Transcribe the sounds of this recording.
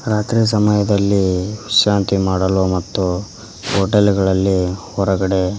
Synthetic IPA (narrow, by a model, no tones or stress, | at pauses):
ɾaːt̪ɾiːs̬ɐmɐjɐd̪ɐlːiʃaːnt̪imaːɽɐlomɐt̪ːu | ɦoʈelɡɐɭɐlːihɔɾɐɡɐɽe̞